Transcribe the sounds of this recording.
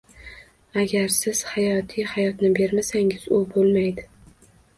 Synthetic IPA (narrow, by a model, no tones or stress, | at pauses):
aɡʲaɾsɪz̥hajɒt̪ʰijhajɒt̪nɪbe̞ɾmasaŋɪz̥ʊbolˠmajd̪ɪ